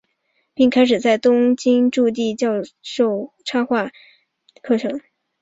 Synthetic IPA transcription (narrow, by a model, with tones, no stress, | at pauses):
pi˥˩ŋkʰa˥ɪʂ̬ɻ̩˨˩t͡sa˥˩ɪt̪ʊ˥ŋt͡ɕi˥ŋʈ͡ʂu˥˧t̪̬i˥˧t͡ɕjɑ˥˧ʊʂo˥˩ʊʈ͡ʂʰa˥xwa˥˧ | kʰɤ˥˩ʈ͡ʂʰɤ˧˥˦ŋ